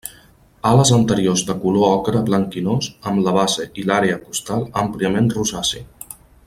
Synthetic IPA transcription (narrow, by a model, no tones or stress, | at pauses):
aləzənt̪əɾiozd̪əkuloɔkɾəβləŋkinozəmləβ̞azeʔilaɾeəkust̪alˠəmpliəmenruzasḭ